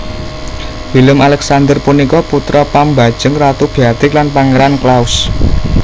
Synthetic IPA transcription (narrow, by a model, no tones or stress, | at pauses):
filəmalɛksand̪ərpunikɔput̪ɾɔpamba̤d̥ʒ̥əŋrat̪ub̥iad̪̥ɪklanpaŋeɾanklaus